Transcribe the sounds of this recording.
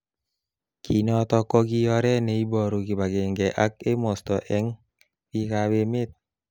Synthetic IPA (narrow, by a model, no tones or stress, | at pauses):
kʰinɔt̪ɔkɔɡijɔɾɛneibɔɾuɡibaɡɛŋɡɛʔak̚emɔst̪ɔʔɛŋ | wikawemet̪̚